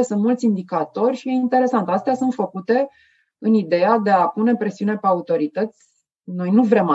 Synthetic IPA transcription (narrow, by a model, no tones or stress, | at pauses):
esɨnt̪mult̪sʲind̪ikat̪o̞rʲʃije̞int̪e̞ɾe̞sant̪ast̪easunt̪fəkut̪e̞ | ɨnid̪e̞ad̪e̞apune̞pɾe̞siune̞peaut̪o̞ɾit̪ət̪sʲ | no̞jnuvɾema